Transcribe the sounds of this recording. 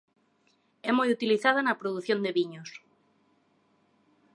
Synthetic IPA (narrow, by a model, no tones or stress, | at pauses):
ɛmojut̪iliθaðɐnɐpɾoðuθjõnd̪eβiɲos